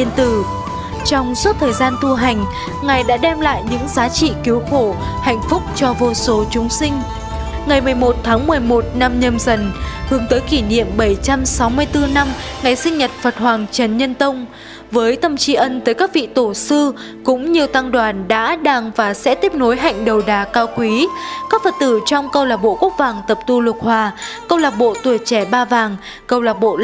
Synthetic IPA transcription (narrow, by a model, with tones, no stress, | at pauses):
i˧ənt̪ɨ˨˧˩ | t͡ɕɔ˧wŋ͡mso˦˥t̚t̪ʰəː˨˩jzaː˧nt̪ʰu˧ɦa˨˩jŋ̟ | ŋa˨˩jɗa̰ː˧˥ɗɛ˧mla̰ː˧˨jɲɨ̰˧˥ŋzaː˨˦t͡ɕḭ˧˨ki˨˦wxo˧˩ | ha̰˧˨jŋ̟fʊ˦˥k͡p̚t͡ɕɔ˧vo˧so˨˦t͡ɕʊ˨˦ŋ͡msï˧ŋ̟ | ŋa˨˩jmɨ˨˩əjmo˨˩t̚t̪ʰːaː˨˦ŋmɨ˨˩əjmo˨˩t̚na˧mɲə˧mzə˨˩nhɨ˨˦əŋt̪əː˨˦jki˧˩nḭ˧˨əmɓə˧˩jt͡ɕa˧msa˨˦wmɨ˧əjt̪ɨ˧na˧mŋa˨˩jsï˧ŋ̟ɲə˨˩t̚fə˨˩t̚hwaː˨˩ŋt͡ɕə˨˩nɲə˧nt̪ə˧wŋ͡m | vəː˨˦jt̪ə˧˩wŋ͡mt͡ɕi˧ʔə˧nt̪əː˨˦jkaː˦˥k̚vḭ˧˨t̪o˧˩sɨ˧ | kʊ̰˧˥ŋ͡mɲi˨˩əwt̪a˧ŋɗwaː˨˩nɗa̰ː˧˥ɗaː˧ŋvaː˨˩sɛ̰˧˥t̪i˦˥əp̚no˨˦jɦa̰˧˨jŋ̟ɗə˨˩wɗaː˨˩kaː˧wkwi˨˦kaː˦˥k̚fə˨˩t̚t̪ɨ˧˩t͡ɕɔ˧wŋ͡mkə˧wlaː˨˩p̚ɓo̰˧˨ku˦˥ək̚vaː˨˩ŋt̪ə˨˩p̚t̪u˧lə˨˩t̚hwaː˨˧˩kə˧wlaː˨˩p̚ɓo̰˧˨t̪u˧˩ət͡ɕɛ˧˩ɓaː˧vaː˨˩ŋ | kə˨˩wlaː˨˩p̚ɓo̰˧˨